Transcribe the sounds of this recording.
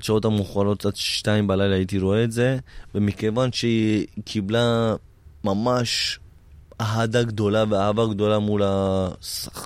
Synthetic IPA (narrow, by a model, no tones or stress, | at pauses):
t͡ʃao̞tamuχalo̞t̪atʃtaimbalajlaːait̪iɾoeːtze̞vemike̞vanʃekʰibla | mamaʃ | aɦadaɡd̪o̞laveahavaɡd̪o̞lamulas